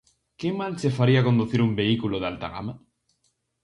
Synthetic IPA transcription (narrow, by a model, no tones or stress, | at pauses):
kemalsefaɾiakond̪uθiɾumbeikuloðalt̪a̰ɣa̰ma